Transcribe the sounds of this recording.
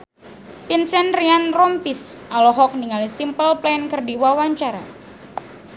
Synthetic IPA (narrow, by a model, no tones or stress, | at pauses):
pinsɛnrianrɔmpisʔalɔɦɔk̚niŋalisimpəlplɛnkərdiwawaɲt͡ʃaɾa̰